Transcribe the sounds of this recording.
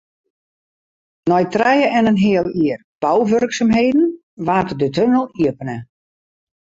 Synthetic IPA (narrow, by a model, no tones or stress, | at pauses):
nɔjtrɛjəʔɛnənɦɪəlˠiər | b̥ɔwʋørksamɦeːdn̩ | ʋaːtədətønəlˠiəpənə